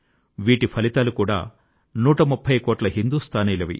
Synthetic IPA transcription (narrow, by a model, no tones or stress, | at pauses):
ʋiːʈipʰɐlit̪aːlukuːɽa̰ː | nuːʈɐmupʰːɐjkoːʈlɐɦind̪uːst̪ʰaːniːlɐʋḭ